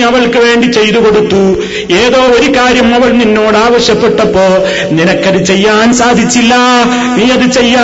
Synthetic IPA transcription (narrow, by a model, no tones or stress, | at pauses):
ɐʋɐɭkɨʋe̞ːɳɖit͡ɕe̞jt̪uko̞ɽut̪ːu | e̞ːðo̞ːo̞ɾukaːɾjɐmɐʋɐɭninːo̞ːɽaːʋɐɕjɐpːe̞ʈːɐpːo̞ːɭ | ninɐkːɐðɨt͡ɕe̞jːaːnsaːd̪ʱit͡ɕːilːɐ | niːɐðɨt͡ɕe̞jːaː